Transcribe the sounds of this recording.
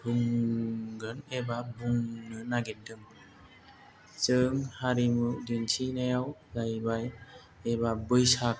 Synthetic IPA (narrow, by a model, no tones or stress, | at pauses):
bʰɯŋ | ɡɯnebabʱɯŋnɯnaɡet̚dɯŋ | t͡ʃɯŋhaɾimudɯnsʰinajawzajbaj | ebabɯjsak̚